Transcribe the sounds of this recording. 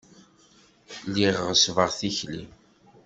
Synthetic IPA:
liʁʁsvəʁθiçlḭm

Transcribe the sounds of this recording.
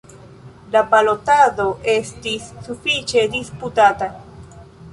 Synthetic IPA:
lapalo̞tado̞ʔe̞stisːufit͡ʃe̞disputata

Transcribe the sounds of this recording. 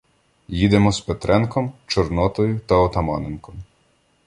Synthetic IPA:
jid̪emɔspet̪ɾɛnkɔmt͡ʃɔrnɔt̪ɔjʊt̪ɐɔt̪ɐmɑnenkɔm

